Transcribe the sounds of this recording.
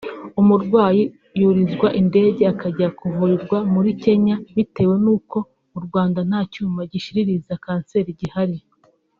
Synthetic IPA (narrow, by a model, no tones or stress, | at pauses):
umuɾɡwaːji | juɾizɡwaʔinde̞ːɟe̞akaɟakuvuɾiɾɡwamuɾice̞ɲaβite̞ːwe̞nuːko̞ | uɾɡwaːndan̥haːcuːmvaɟiʃiɾiɾizakaːnse̞ːɾiɟihaɾi